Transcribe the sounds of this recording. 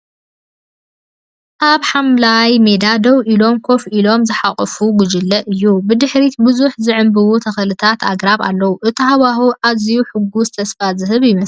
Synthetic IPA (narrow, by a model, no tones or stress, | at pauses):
ʔaβħamlajme̞d̪ad̪ɐwʔilo̞mkʰo̞filo̞mzɨħaχʼɨfuɡʊd͡ʒɪlːɐʔɨjːubɨd̪ɨħɾit̪bɨzuħzɨʕɨmbɨwut̪ʰɐxɐlɨt̪ʰat̪ʰa̰ɡɾaβa̰lːɐwuʔɨt̪ʰiɦaβahuʔazijuħɨɡːuzɨt̪ʰɐsfazɨɦɨβjɪmɐ